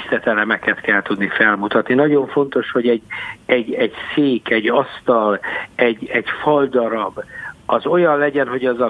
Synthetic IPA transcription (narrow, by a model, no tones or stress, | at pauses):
st̪ɛt̪ɛlɛmɛkɛt̪kɛlt̪ud̪nifɛlmut̪ɒt̪ninɒɟo̞ɱfo̞nt̪o̞ʃho̞ɟɛɟːɛɟɛɟseːkɛɟɒst̪ɒlɛɟːɛɟfɒld̪ɒɾɒbɒzo̞jɒnlɛɟɛnɦo̞ɟɒzɒ